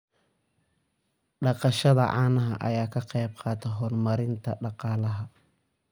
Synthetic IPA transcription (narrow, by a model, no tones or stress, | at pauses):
ɖɑqɑʃɐðɐ̰ʕa̰ːnɐɦɐ̰ʔɐ̰jaːkʰɐqɛjb̚qʰɑːt̪ʰɛɦɔːrmɐɾɪnt̪ʰɐɖɑqɑːlɐɦɐ